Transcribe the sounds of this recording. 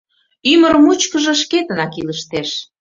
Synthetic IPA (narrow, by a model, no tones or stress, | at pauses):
yməɾmut͡ɕkəʒə̆ʃ̬ket̪ənɑkiləʃt̪eʃ